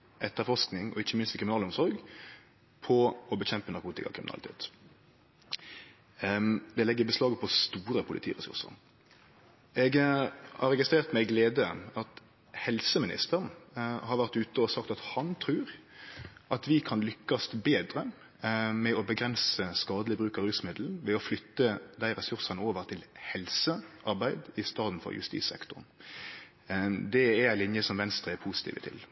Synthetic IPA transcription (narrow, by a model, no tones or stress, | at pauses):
ʔɛt̪ːəɾfɔʂknɪŋɔ̰ɪçːəmɪnst̪kʰɾɪmɪnɑːləʊmsɔɾɡ | pʰɔɔbəçɛmpənɑɾkʰuːt̪ɪkɑ̰kʰʁɪmɪnɑ̰lɪt̪ʰḛːt̪ | d̪ɛlɛɡːəbəslɑːɡəpʰɔst̪uːɾəpʰʊlɪ̰t̪ʰiːʁɛ̰sʉ̰ʁsə̰ʁ | ɛɡhɑʁɛɡɪst̪ʁeːʁt̪mɛɡleːd̪əɑt̪ | hɛlsəmɪnɪ̰st̪əʁnhɑɾʋæʁt̪ʉːt̪əɔsɑkt̪ɑt̪hɑnt̪ʰɾʉːɾ | ʔɑt̪ʋɪkʰɑnlʏkːɑst̪beːd̪ɾə | mɛɔbəɡɾɛnsəskɑːd̪əlɪbɾʉːkɑɾʉːsmɪd̪ln̩ʋɛɔflʏt̪ːəd̪æɪɾɛsʉɾsɑnəoːʋəɾt̪ʰɪlhɛlsəʔɑɾbæɪd̪ɪst̪ɑːd̪n̩fɔ̰ɾjʉ̰st̪ḭːsɛ̰kt̪ʊ̰ɾn | d̪ɛæɾæɪlɪnjəsɔmʋɛnst̪ɾəɛɾpʰuːsɪ̥t̪ḭːʋət̪ʰɪ̰l